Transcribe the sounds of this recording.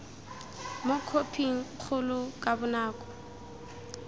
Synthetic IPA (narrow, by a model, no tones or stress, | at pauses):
mokʰopʰiŋ̩q͡χʰʊlʊkʼabʊnaːkʼɔ̥